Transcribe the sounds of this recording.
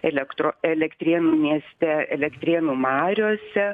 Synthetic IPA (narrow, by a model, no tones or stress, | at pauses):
ɛlʲɛkt̪ɾoɛlʲɛkt̪ʲɾʲiɛnuːmʲiɛsʲt̪ʲɛɛ̰lʲɛkt̪ʲɾʲiɛnuːmɑːɾʲoːsʲɛ